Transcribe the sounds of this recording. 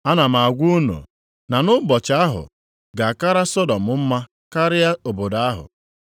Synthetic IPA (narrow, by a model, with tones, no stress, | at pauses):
a˦na˨m̩a˨a˨ɡʷu˦nṵ˨ | na˨nʊ˦bɔ˨t͡ʃa˦ɦʊ̰˨ | ɡa˨ka˦ɾa˦sɔ˦dɔ˨mʊ˨˦m̩˦ma˦ | ka˦ɾɪ˦ja˦o˨bo˨da˦ɦʊ̰˨